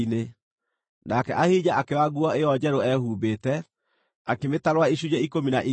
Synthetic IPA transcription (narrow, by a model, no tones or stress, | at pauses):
ne | nakɛʔahiːd͡ʑaʔakewaɣuɔeɔd͡ʑɛɾoɛhuːbetɛ | akemetaɾwaiɕud͡ʑɛikominaʔi